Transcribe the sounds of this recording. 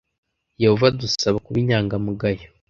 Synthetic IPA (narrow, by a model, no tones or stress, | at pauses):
je̞hovadusaβakuβiɲaːŋɡamuɡajo